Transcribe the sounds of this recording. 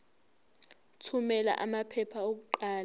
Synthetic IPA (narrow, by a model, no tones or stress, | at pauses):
tʰumɛla̰ʔamapʰɛpʰaok̬uǃaːla